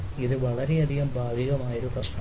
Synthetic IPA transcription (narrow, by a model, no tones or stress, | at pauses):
iðɨʋɐɭɐɾe̞ɐd̪ʱiɣɐmbʱaːd̪iɣɐmaːjoɾuprɐʂʈɐ